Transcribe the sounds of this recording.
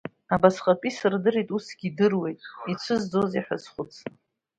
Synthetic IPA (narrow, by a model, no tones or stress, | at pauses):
abasχʼapʼisɨrdɨɾitʼusɡʲidɨrwe̞jtʼit͡ʃʷʰɨzd͡zoziħazχʷʊt͡sʰ